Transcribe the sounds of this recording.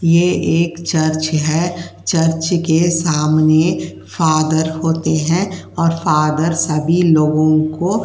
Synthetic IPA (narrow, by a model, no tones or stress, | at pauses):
jeeːkt͡ʃɐɾt͡ʃɦɛt͡ʃɐɾt͡ʃkesaːmne | faːd̪əɾhoːt̪eɦɛ̃ɔːɾfaːd̪əɾsəbʱiloːɡõko